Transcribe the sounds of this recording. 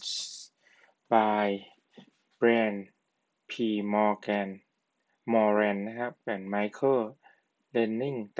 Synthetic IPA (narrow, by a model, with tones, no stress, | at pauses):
baː˧j | bɾɛː˧n | pʰiː˧˩mɔː˧kɛː˧n | mɔː˧ɾɛː˧nːa˦˥kʰa˦˥p̚kɛː˧˩nma˧˥jkʰɤː˥˩ | le˧nːi˥˩ŋt̪